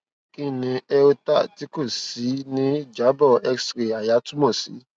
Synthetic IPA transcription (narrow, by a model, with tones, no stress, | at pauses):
kĩ˦nĩ˧ɛ˧o˧ta̰˦˨ti˦ko˦˨si˨˦nĩ˦d͡ʒa˨˦bɔ˦˨ɛ˦ksɾi˨a˨ja˨˦tu˦mɔ̃˦˨sḭ˨˦